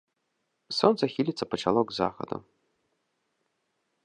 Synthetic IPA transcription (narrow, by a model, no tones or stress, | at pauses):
sɔnt̪sɐxʲilʲit̪sɐpɐt͡ʂalˠɔɡza̰xɐ̰d̪ṵ